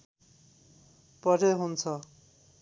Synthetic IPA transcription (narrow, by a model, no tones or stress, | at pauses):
pʌɾeɦunt͡sʰʌ